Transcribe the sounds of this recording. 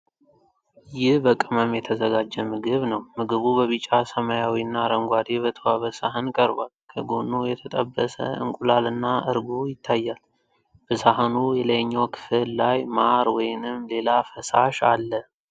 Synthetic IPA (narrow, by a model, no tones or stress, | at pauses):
jɪhbəkʼɨməmjɛt̪ʰəzəɡad͡ʒːəmɨɡɨβnəwmɨɡɨβuβəβit͡ʃʼːasəmajawiɨnːaɾəŋɡʷad̪eβət̪ʰəwaβəsaɦənkʼəɾbalkʰəɡo̞nːujɛt̪ʰət̪ʼə̰bːəsə̰ɨ̰ŋkʼulalɨnːaʔɨɾɡujɪt̪ʰːajːal | b̥əsaɦənujɛləjɲːawkʰɨ̥fɨllajmaɾwɔjnɨmle̞lafəsaʃa̰lːə